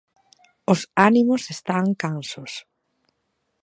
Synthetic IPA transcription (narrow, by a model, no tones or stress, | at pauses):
ʊsanimʊsest̪aŋkansʊs